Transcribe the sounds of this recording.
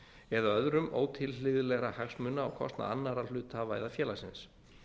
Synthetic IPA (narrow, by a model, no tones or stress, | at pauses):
ɛðaœðɾʏmʔo̰ːwt̪ʰɪllɪðʏlɛɣɾahaxsmʏnːaawkʰɔ̰st̪na̰anːaɾal̥ʏːt̪avaːjðafjɛːlasɪns